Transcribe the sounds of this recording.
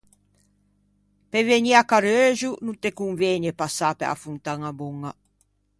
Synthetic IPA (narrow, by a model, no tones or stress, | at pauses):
peveɲiakaɾøːʒununt̪ekuŋveɲepasapḛa̰funt̪aŋabuŋa